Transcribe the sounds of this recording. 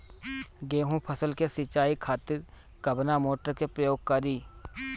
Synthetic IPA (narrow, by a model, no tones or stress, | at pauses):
ɡeːɦũpʰəsəlkesɪt͡ʃaːikʰaːt̪ɪɾ | kəbnamoːʈəɾkepɾəjoːɡ̚kəɾiː